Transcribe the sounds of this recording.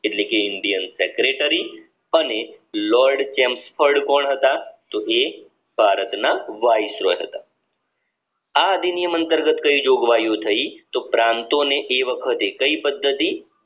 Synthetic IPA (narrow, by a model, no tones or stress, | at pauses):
ɪʈleːkeɪɳɖijənseːkɾeʈəɾi | ənelɔːɾɖt͡ʃɛ̃ːmspʰəɾɖkɔːɳɦɐt̪at̪oeː | bʱaːɾət̪naʋaːɪsɾoːeɦɐ̰t̪a | ad̪ʱinijəmə̃nt̪əɾɡət̪kɐid͡ʒoːɡʋaːjot̪ʰɐit̪opɾãːnt̪õneʔeːʋəkʰət̪ɦekɐipəd̪ʱːət̪i